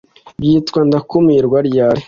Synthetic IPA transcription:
bjiːtkwandakumiɾɡwaɾjaːɾe

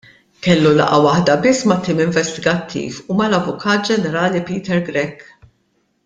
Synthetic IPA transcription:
kɛlːulɐ̰ʔɐwɐħd̪ɐbɪsːmɐt̪ːiːmɪɱvɛst̪ɪɡɐt̪ʰːḭːfumɐlɐvʊkʰɐːt̪̚d͡ʒɛnɛɾɐːlipiːt̪ɛɾɡɾɛkː

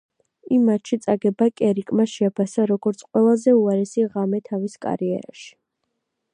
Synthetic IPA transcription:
imːat̪ʃit̪sʼaɡɛbakʼɛɾikʼmaʃɛapʰasaɾɔɡɔɾt̪sʰqʼwɛlˠazɛuaɾɛsiʁamɛt̪ʰaviskʼa̰ɾiɛ̰ɾa̰ʃi̥

